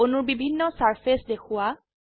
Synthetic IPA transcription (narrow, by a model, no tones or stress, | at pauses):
ʊnʊɹbibʱinːɔsaɹpʰesdekʰʊwa